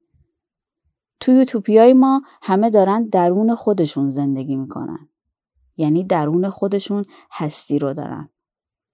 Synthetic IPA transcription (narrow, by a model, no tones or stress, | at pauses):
t̪ʰujut̪ʰuːbʰijɒːjemɒː | hæme̞d̪ɒːɾænd̪̚d̪æɾuːne̞xo̞d̪e̞ʃunze̞nd̪e̞ɡiːmiːkʰo̞̰nʔæ̰nd̪ | jæːniːd̪æɾuːne̞xod̪e̞ʃuːn | hæst̪iːɾoːd̪ɒ̰ːɾæ̰nd̪̥